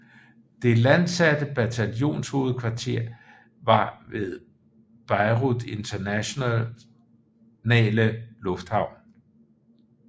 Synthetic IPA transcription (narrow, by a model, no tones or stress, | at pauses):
d̥e̝lænsæd̥əb̥æt͡sʰæljo̝̰ːnsho̝ːð̩ˠkʰʋɑ̈t͡sʰe̝ɐ̰ | ʋɑ̈ʋe̝ðˠ | b̥ɑ̈ɪʁudˠe̝nt͡sʰɐnæɕo̝nɛ̰ː | nɛ̰ːləlɔ̽fd̥hɑ̈ʊ̰n